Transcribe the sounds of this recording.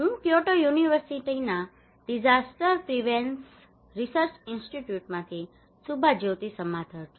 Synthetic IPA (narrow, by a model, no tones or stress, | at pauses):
ũpjoʈojuniʋəɾsiʈina | ɖid͡ʒasʈəɾpɾiʋens | ɾisəɾt͡ʃɪnsʈiʈjuʈmãt̪ʰi | subʱad͡ʒowt̪isəmad̪ʱəɾʰ